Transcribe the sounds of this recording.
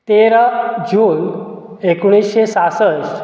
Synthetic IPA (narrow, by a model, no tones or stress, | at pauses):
t̪eɾad͡ʑuːn | ekuɽ̃isɕesasəs